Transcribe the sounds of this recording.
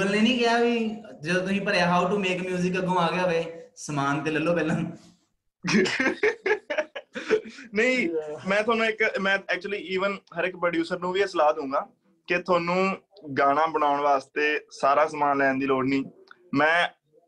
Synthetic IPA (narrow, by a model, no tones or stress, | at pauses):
bəlneːnĩːkɪjaːʋiːd͡ʒəd̪õːt̪ʊsĩːpəɾaːɦaːuʈumeːkmjuːzɪkəɡõːaːɡɪjaːʋeːsəmaːnt̪eːləlːoːpɛːlãːn | nəĩːmɛ̃ːt̪ʰʊwaːnũːɪkmɛ̃ːɛːk̚t͡ʃʊəliːiːʋənɦəɾɪkpɾəɖjuːsəɾnũːʋiːəslaːt̪ɦʊ̃ːɡaː | ket̪ʰʊaːnũːɡaːnãːbəɳ̃aːʊɳʋaːst̪eːsaːɾaːsəmaːnlɛ̃ːnd̪iːloːɽniː | mɛ̃ː